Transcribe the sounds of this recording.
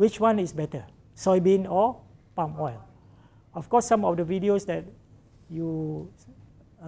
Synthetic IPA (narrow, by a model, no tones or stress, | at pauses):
wit͡ʃwãnisbɛtə | sɔjbẽnɔ | pãmɔɪl | ɔfkɔsːãmɔfdəvidiosdɛt̚ | ju